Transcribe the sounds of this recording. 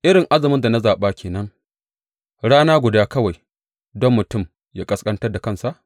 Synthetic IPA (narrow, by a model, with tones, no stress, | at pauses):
ʔɪ˦ɾɪ˨ŋʔa˦zɪ˨mɪ˦nda˨na˦zaː˨ɓaː˦kʲeː˨nɐ˦ŋ | ɽaː˦naː˦ɡʷʊ˨daː˦kɐ˦wa˨j | dɔ˦mːʊ˨tʊ˦˨m | jaː˦kʼɐ˦skʼɐ˦ntɐ˦rda˨kɐ˦˨nsa˨ʔ